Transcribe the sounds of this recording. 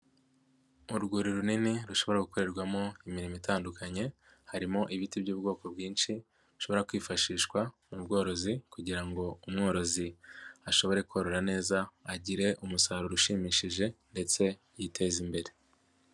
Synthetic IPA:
uɾɡuɾiɾuniniɾuʃo̞βo̞ɾaɡuko̞ɾe̞ɾɡwamo̞imiɾimitaːndukaɲe̞ | haɾimo̞ʔiβitibjuːbɡo̞ːko̞bɡiːnʃi | ɾu̥ʃoβo̞ɾakwiːfaʃiːʃkwamubɡo̞ːɾo̞zikuɟiɾaŋɡo̞umŋo̞ːɾo̞ziaʃo̞βo̞ɾe̞koɾo̞ɾane̞ːzaaɟiɾe̞ʔumusaɾoɾuʃiːmiːʃiʒe̞nde̞t͡se̞ | jitʰe̞ːzimbe̞ɾe̞

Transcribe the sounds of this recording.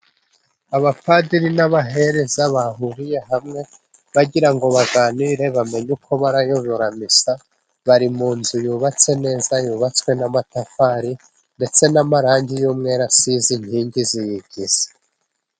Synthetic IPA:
aβapadiɾinaβaɦe̞ɾezaβahuɾije̞ɦamŋe̞ | βaɡiɾaŋɡo̞βaɡaːniɾe̞βame̞ɲukʰo̞βaɾajoβoɾamisa | βaɾimuːnzujuːβat͡se̞ne̞ːzajuːβat͡swe̞namatafaɾi | nde̞t͡se̞namaɾaːɲɟijuːmŋe̞ɾasizinhiːɲɡizijiɡiz̥e̥

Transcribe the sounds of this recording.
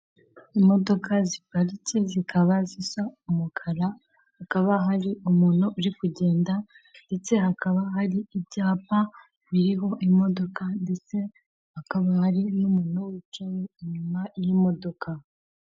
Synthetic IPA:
imo̞do̞kʰazipaɾice̞zikʰaβazisaumukʰaɾa | hakaβaɦaɾiumuːnuʔuɾikuɟe̞ːnda | nde̞t͡se̞hakaβaɦaɾiibɟaːpa | βiɾiɦo̞ʔimo̞do̞kande̞t͡se̞ | hakaβahaɾinumuːnowit͡ʃaweiɲumajimo̞do̞ka

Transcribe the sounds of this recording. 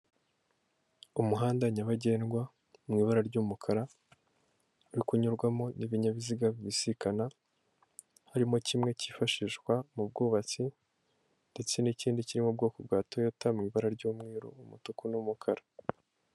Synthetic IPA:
umuɦaːndaɲaβaɟe̞ːnɡwa | mŋiːβaɾaɾɟuːmukʰaɾa | uɾikuɲuɾɡwamo̞niβiɲaβiziɡaβiβisikana | haɾimo̞cimŋe̞ciːfaʃiːʃkwamub̚ɡuːβat͡si | nd̥e̞t͡se̞niciːndiciɾimob̚ɡo̞ːkobɡaːto̞jotamŋiːβaɾaɾɟuːmŋiːɾo̰umutukunumukʰaɾa

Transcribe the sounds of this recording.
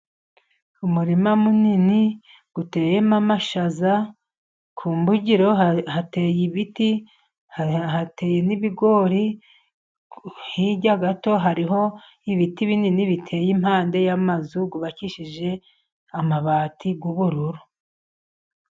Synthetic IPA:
umuɾimamunini | ɡ̥ute̞ːjemamaʃaza | kʰuːmbuɟiɾo̞hateːjiβiti | hate̞ːje̞niβiɡo̞ːɾi | hiɟaɡato̞ɦaɾiɦo̞ | iβitiβininiβitʰe̞ːjimhaːnde̞jamazuɡuβaciʃiʒe̞ | amaβaːtʰiɡuβuɾuɾu

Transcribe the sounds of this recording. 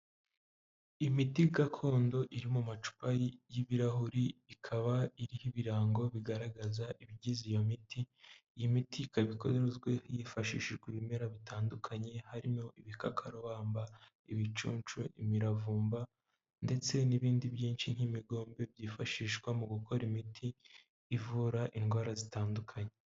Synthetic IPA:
imitiɡakʰo̞ːndo̞ʔiɾimumat͡ʃu̥pajjiβiɾaɦuɾiikʰaβaiɾihiβiɾaːŋɡo̞βiɡaɾaɡazaʔiβiɟizijo̞mitʰiːjimitʰikaβiko̞̰ɾeɾezɡwe̞hjifaʃḭʃiʒɡwiβimeɾaβitaːndukʰaɲe̞haɾimo̞ʔiβikakʰaɾoβaːmba | iβit͡ʃṵːnt͡ʃuḭmiɾavuːmba | nde̞t͡se̞niβiːndibjiːnʃinhimiɡo̞ːmbe̞bjiːfaʃiːʃɡwamuɡukʰo̞ɾimitʰiː | vuɾaʔinɡwaːɾazitaːndukʰaɲe

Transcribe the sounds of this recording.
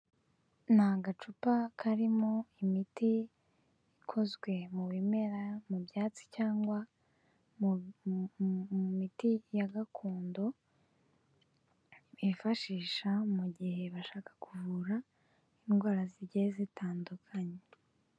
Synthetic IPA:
nhaɡat͡ʃupakʰaɾimo̞imitiː | kʰo̞zɡwe̞muβime̞ɾamubjaːt͡si̥caːŋɡwa | umitijaɡakʰuːndo̞ | βifaʃiːʃamuɟihe̞βaʃaːkḁkʰuvuɾa | inɡwaːɾaziɟezitʰaːndukʰaɲe

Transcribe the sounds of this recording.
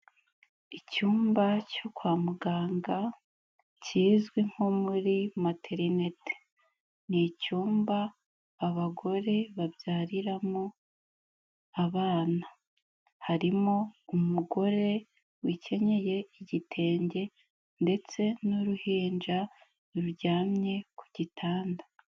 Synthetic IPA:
icuːmbacokwaːmuɡaːŋɡa | ciːzɡwiŋ̥ho̞muɾimatʰeɾine̞tʰe̥ | nicuːmbaː | βaɡo̞ɾe̞βabjaːɾiɾamo | aβaːna | haɾimoumuɡo̞ɾe̞ | wice̞ɲe̞je̞iɟitʰe̞ːɲɟe̞ | nde̞t͡se̞nuɾuhiːnd͡ʒa | ɾuɾɟaːmɲe̞ku̥ɟ̥itʰaːnda

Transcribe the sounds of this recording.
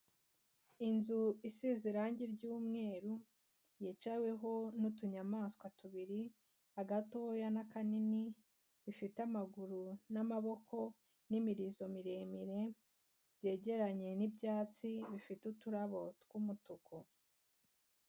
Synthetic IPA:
inzuisiziɾaːɲɟiɾɟuːmŋe̞ːɾu | jet͡ʃawe̞ɦo̞nutuɲamaːskwatuβiɾi | aɡatojanakanini | βifitamaɡuɾunamaβo̞kʰo̞ | nimiɾizo̞miɾe̞ːmiɾe̞ | bɟe̞ːɟe̞ɾaɲe̞nibjaːt͡siβifitutuɾaβo̞tɡ̥umutukʰo

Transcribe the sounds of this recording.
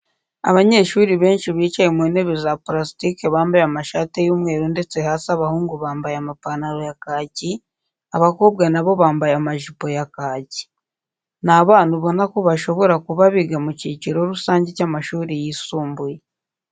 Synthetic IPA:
a̰βaɲe̞ʃuːɾiβe̞ːnʃiβiːt͡ʃajemune̞βizapɾasitike̞βaːmbajamaʃaːtejuːmŋe̞ːɾunde̞t͡se̞haːsaβahuːŋɡuβaːmbajamapanaɾo̞jakaːci | aβakoːbɡanaβo̞βaːmbajamaʒupo̞jakaːci̥ | naβaːnhuβo̞nako̞βaʃo̞βo̞ɾakuβaβiɡamuciciɾo̞ɾusaːɲɟecamaʃuːɾijisuːmbuje

